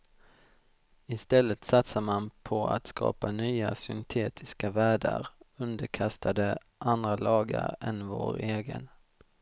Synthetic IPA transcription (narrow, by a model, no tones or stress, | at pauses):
ɪst̪ɛlːət̪sat̪samanpʰɔa̰t̪skʰɑ̰ːpanyːasʏnt̪ʰeːt̪ʰɪskavæːɖə̰ɾɵnd̪əɾkʰast̪ʰad̪ə | ʔand̪ɾalɑːɡaɾɛnvo̰ːɾeːɡə̰n